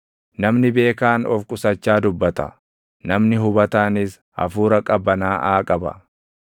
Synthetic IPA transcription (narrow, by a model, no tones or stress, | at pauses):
nɐmnɪbe̞ːkaːnɔfkʼʊsɐt͡ʃːaːd̪ʊbːɐt̪ɐ̰ | nɐmnɪɦʊbɐt̪aːnɪs | ɐ̰fuːɾɐkʼɐbːɐnaːʔaːkʼɐbɐ̰